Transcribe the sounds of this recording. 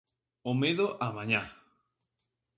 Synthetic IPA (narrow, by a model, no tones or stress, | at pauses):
omeðoʔamãɲa